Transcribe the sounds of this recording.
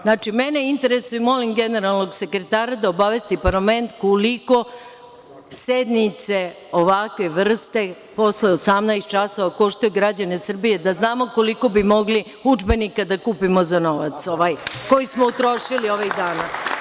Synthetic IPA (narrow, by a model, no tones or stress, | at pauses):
znaːt͡ʂimeneint̪e̞ɾe̞sujumo̞limɡene̞ɾalˠnoɡse̞kɾet̪aːɾad̪aobaʋe̞st̪ipaɾlame̞nt̪koliko̞ | sed̪nit̪se̞ | oʋakʋe̞ʋr̩st̪e̞ | po̞sle̞osamnaest̪̚t͡ʃaso̞ʋako̞ʃt̪ojuɡɾad͡ʑane̞sr̩bije̞d̪aznaːmo̞ko̞liko̞bimo̞ɡli | ud͡ʒbe̞nikad̪akuːpimo̞zano̞ʋa̰t̪so̞ʋajko̞jismout̪ɾo̞ʃilio̞ʋiɣd̪aːna